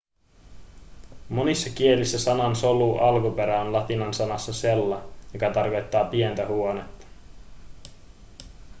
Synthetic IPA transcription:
mo̞nisːɑk̟ie̞lisːæsɑnɑnso̞luːʔɑlkupe̞ɾæonlɑt̪inɑnsɑnɑsːɑse̞lːɑjokɑt̪ɑrko̞jt̪ːɑːpient̪æhuone̞t̪ːɑ̥

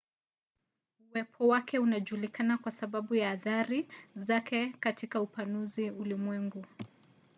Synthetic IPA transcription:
uwɛpʰɔwakɛunaʄulikʰanakwasaɓaɓujaːðaɾizakʰɛkatʰikaupanuziulimwɛŋɡu

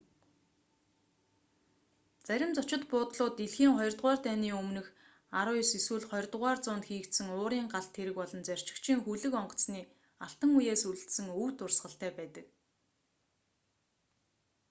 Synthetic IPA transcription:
t͡sæɾʲɪ̆mt͡sɔt͡ɕɪ̆t̪pʊːt̪ɮʊːt̪iɮxiːŋχɔj̆rt̪ʁaːrt̪ʰæniːɵmnɘ̆x | aɾʊːjɔsiswɘ̆ːɮχɔjrʲt̪ʁaːrt͡sʊːnt̪xiːkt̪sɘ̆ŋʊːɾiːŋɢaɬt̪ʰːeɾɘ̆kpɔɮɞ̆nt͡sær̥ʲt͡ɕɪ̥̆kt͡ɕʰiːŋxuɮɘ̆kɔɴɢɞ̥̆t͡sniː | aɬt̪ə̆ŋujeːsuɮɘ̆ɬt̪sɘ̆ŋuwt̪ʊrsʁə̆ɬt̪æːpæːt̪ə̆k

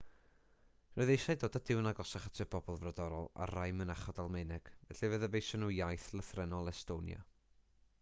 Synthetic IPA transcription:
rɔjðejʃajdoːdadɪwnaɡɔsaχḁtʰɪbɔbɔlˠvradɔɾɔlˠa̰rajmənaχɔdalˠmɪnɛɡ̥vɛɬivəðəbejʃɔnujajθlˠəθrɛnɔlˠɛstonja̰

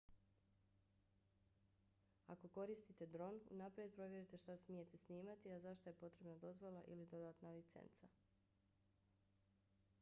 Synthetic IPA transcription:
a̰ko̞ko̞ɾist̪it̪e̞d̪ɾo̞nṵnapɾie̞d̪̚pɾo̞ʋje̞ɾit̪e̞ʃt̪asmije̞t̪esniːmat̪iazaʃt̪oje̞po̞t̪ɾe̞bnad̪o̞zʋo̞lˠaʔḭlid̪o̞d̪aːt̪nalit̪sḛnt̪sa

